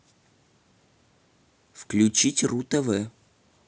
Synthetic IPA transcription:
fklʲʉt͡ɕitʲrut̪əvɛ

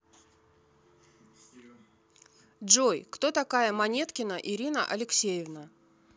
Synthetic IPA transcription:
dʐojkt̪o̞t̪ɐkajəmɐnʲe̞t̪kʲɪnəʔɪɾʲinə̰ʔɐlʲɪksʲejɪvnə

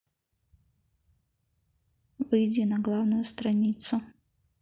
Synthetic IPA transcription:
vɨjd͡zʲinɐɡlˠawnʊjʊst̪ɾɐnʲit̪sʊ

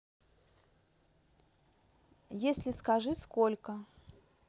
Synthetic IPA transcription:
jesʲlʲɪskɐʐɨskolʲkə

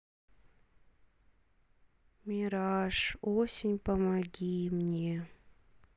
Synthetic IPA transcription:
mʲiɾɑʂosʲɪnʲpəmaɡʲimnʲe

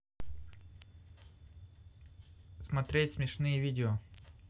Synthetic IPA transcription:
smɐt̪ɾʲetʲsmʲɪʂnɨjəvʲidʲɪo

